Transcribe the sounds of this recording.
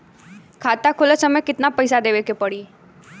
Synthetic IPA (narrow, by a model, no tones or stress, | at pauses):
kʰat̪akʰulət͡ʃəmekɪt̪napəjsad̪eʋekepəɽi